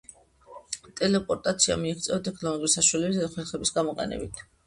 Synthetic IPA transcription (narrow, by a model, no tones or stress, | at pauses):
t̪ʼɛlɛpʼɔɾt̪ʼat̪sʰia̰miiχt̪sʼɛɔt̪ʼɛkʰnɔlˠɔɡuɾisaʃwalɛbisaχwɛlˠχɛbisɡamɔqʼɛ̰nɛ̰bit̪ʰ